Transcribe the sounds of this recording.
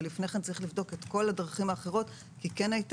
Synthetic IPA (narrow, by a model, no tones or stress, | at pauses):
lifneχe̞nt͡saʁiχlivdo̞ket̪ko̞ladʁaχimaːχe̞ʁ̞o̞t̪ | kikenajt